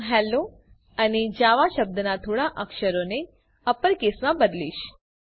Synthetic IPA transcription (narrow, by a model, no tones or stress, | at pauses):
ɦɛlo | əned͡ʒaʋaʃəb̚d̪ənat̪ʰoɽaʔəkʃəɾone | əpəɾkesmãbəd̪lḭʃ